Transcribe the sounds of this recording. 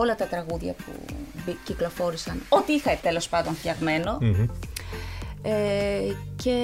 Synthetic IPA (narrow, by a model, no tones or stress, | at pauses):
o̞lɐt̪ɐt̪ɾɐɣuðʝɐ̰pṵbiciklo̞fo̞ɾisɐno̞t̪iixɐt̪elo̞spɐnd̪o̞nθçɐɣme̞no̞ | e | ce̞